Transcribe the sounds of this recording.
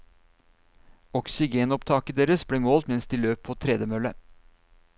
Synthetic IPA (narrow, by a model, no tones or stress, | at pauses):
ɔksɪɡeːnɔpt̪ʰɑːkəd̪eːɾəsbɽeːmoːlt̪mɛnsd̪iːløːpʰoːt̪ʰɾɛd̪jəmœlːə